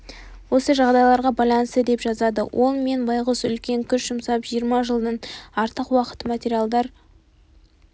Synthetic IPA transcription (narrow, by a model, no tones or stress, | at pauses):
wo̞səʒɑʁd̪ɑjlˠɑɾʁɑbɑjlˠɑnəst̪əd̪e̞pʒɑzɑd̪əwʔo̞lˠme̞nbɑjʁəsʏlkʲe̞ŋkʲʰʏʃʒ̥ʊmsɑpʒijəɾmɑʒəlˠd̪ənɑɾt̪əqwɑqə̥t̪ːəmat̪ʲeɾijalˠd̪ɑɾ